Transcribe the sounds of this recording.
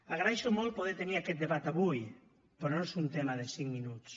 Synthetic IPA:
aɣɾaɛʃomolˠpoðet̪eniakɛt̪d̪eβat̪aβuj | pɾonoesunt̪emaðesiŋminut̪s

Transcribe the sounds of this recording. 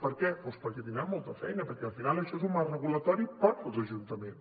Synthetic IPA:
pəɾkɛfospɔkət̪inamɔlˠt̪əfɛjnəpəɾkɛəlˠfinalˠəʃɔezumarrəɣulət̪ɔɾipɔt̪əlˠzəʒunt̪əmen

